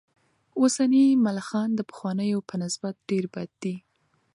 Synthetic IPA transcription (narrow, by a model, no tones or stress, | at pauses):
osanimalaxɑnd̪əpə̥xwɑnəjopənɪsbat̪̚ɖeɾbad̪̚ːi